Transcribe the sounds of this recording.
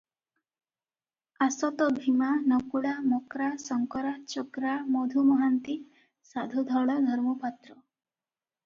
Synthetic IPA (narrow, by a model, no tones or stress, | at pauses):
asɔt̪ɔbʱimanɔkuɽamɔkɾasɔŋkɔɾat͡ʃokɾamɔd̪ʱumɔɦant̪i | sad̪ʱud̪ʱɔɭɔd̪ʱɔɾmɔpat̪ɾɔ